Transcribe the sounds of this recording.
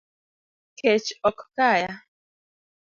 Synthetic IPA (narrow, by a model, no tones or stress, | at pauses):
kʰɛt͡ʃɔkkaja